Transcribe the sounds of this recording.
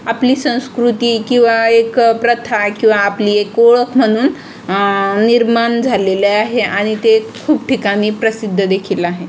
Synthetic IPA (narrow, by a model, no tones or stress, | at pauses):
apliːsə̃w̃skɾut̪iːkĩw̃ʋaekpɾət̪ʰakĩw̃ʋaːpliːekoɭəkʰm̤əɽ̃uːnː | iɾmand͡zʱaleleaɦeʔaɽ̃it̪ekʰuːbʈikamiːpɾəsid̪ʱːəd̪ekʰilaɦe